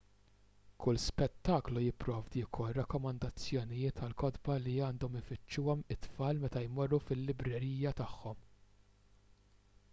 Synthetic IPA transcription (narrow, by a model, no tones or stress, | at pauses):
kʊlspɛt̪ːɐːklujɪpːɾɔːvd̪iːkʰɔrːɐkːɔmɐnd̪ɐt͡sːjɔnɪjɪːt̪ʰɐlkɔd̪bɐliɐːnd̪ɔmɪfɪt͡ʃːuːɔmɪt̪ːfɐːlmɛt̪ɐjmɔrːufɪlːɪbɾɛɾiːjɐt̪ɐħːɔm